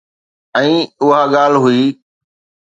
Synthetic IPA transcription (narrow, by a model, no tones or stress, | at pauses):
ɛ̃ːʊɦaːɠaːl̤ɦʊiː